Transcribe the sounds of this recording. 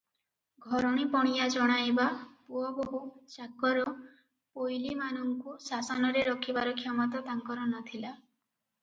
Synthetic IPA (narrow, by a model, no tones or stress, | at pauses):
ɡʱɔɾɔɽ̃ipɔɽ̃ijad͡ʒɔɽ̃ajbapuɔboɦut͡ʃakɔɾɔ | pojlimanɔŋkusasɔnɔɾeɾɔkʰibaɾɔkʰjamɔt̪at̪aŋkɔɾɔnat̪ʰila